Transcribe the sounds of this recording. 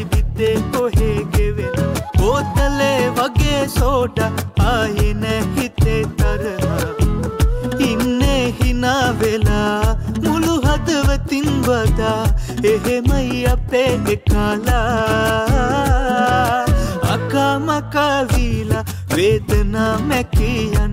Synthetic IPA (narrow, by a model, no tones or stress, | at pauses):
ibid̪ːekoɦeːɡeʋeɡoːt̪ɐleʋɐɡesoːʈɐaːjeneɦit̪et̪ɐɾɐɦɐ | inːeɦinaːʋelɐmuluɦɐd̪ɐʋɐt̪inbɐd̪a | eɦemɐjɐpːemekaːlɐ | ɐ̰kaːmɐkaʋiːlɐ | ʋeːd̪ɐnamɛkijɐn